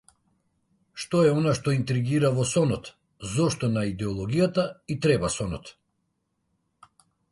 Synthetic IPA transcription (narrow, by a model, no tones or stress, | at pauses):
ʃt̪ɔɛɔnaʃt̪ɔint̪ɾiɡiɾavɔsɔnɔt̪ | zɔʃt̪ɔnaid̪ɛɔlˠɔɡʲijat̪ait̪ɾɛbasɔnɔ̰t̪